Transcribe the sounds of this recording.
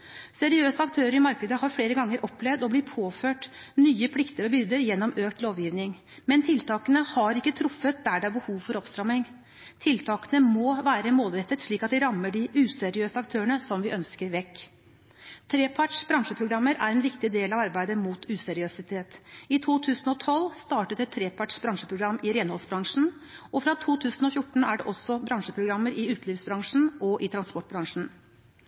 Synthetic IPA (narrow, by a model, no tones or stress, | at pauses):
sɛɾɪøːsəɑkt̪ʰøːɾəɾɪmɑɾknəd̪əhɑɾfɽeːɾəɡɑŋːəɾʔɔpːlɛʋd̪ɔblɪt̪pʰoːføːʈnyːəpʰlɪkt̪əɾɔbʏɾd̪əɾjɛnːɔmøːkt̪loːʋjiːʋnɪŋ | mɛnt̪ʰɪlt̪ɑːkənəhɑɾɪkːət̪ʰɾʊfːət̪̚d̪æɖɛæɾbəhuːʋfɔɾɔpst̪ɾɑmɪŋ | t̪ʰɪlt̪ʰɑːkənəmoːʋæːɾəmoːlɾɛt̪ːət̪ʂɭiːkɑt̪ʋ̪ɪɾɑmːəɖɪʔʉːsɛɾɪøːsəɑkt̪ʰøːəɳəsɔmʋɪʔœnskəɾʋɛkː | t̪ʰɾeːpʰɑʈʂb̥ɾɑŋʂəpʰɾʊɡɾɑmːəɾæɾɛnʋɪkt̪ɪd̪eːlɑʋɑɾbæɪd̪əmuːt̪ʰʉːsɛɾɪøːsɪt̪ʰeːt̪ɪt̪ʰuːt̪ʰʉːsn̩ɔt̪ʰɔlːst̪ɑːʈət̪ɛt̪ʰːɾeːpʰɑʈʂbɾɑŋʂəpʰɾʊɡɾɑmːɪɾeːnhɔlsbɾɑŋʂn̩ɔfɾɑt̪ʰuːt̪ʰʉːsn̩ɔfjʊʈːɳ̩æɖɛʔɔsːɔbɾɑŋʂəpʰɾʊɡɾɑmːəɾɪʉːt̪liːfsbɾɑŋʂn̩ɔʔɪt̪ʰɾɑnspɔʈ̚bɾɑŋʂn̩